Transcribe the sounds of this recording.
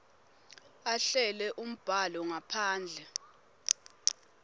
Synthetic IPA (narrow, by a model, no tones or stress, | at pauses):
aɬɛlɛʔum̩b̥ʱalɔŋapʰaːnd͡ɮʱɛ